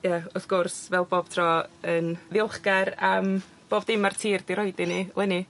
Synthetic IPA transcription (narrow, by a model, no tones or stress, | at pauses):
jaɔθɡ̥ʊrsvɛlˠboːb̥tʰrɔənvɪɔlˠχɡaɾam | b̥oːbdɪmartʰiːrd̥iɾɔjdɪnilˠɛni